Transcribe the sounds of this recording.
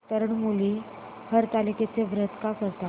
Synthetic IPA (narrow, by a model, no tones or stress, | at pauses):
t̪əɾəɳmuli | həɾt̪aliket͡seʋɾət̪kakəɾt̪a